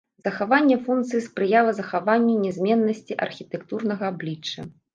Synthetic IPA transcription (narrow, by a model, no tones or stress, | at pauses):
z̥ɐxavanʲːɛfunkt̪sɨjispɾɨjalˠɐzɐxavanʲːunʲɛzʲmʲɛnːɐsʲt͡sʲiʔɐ̰rxʲit̪ɛkt̪urnɐɣɐablʲit͡ʂːɐ̰